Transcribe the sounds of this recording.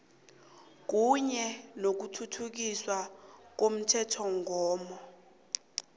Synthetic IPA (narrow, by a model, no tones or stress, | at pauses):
k̬uɲɛnok̬utʰutʰuk̬iswak̬om̩tʰɛtʰɔŋɔːmɔ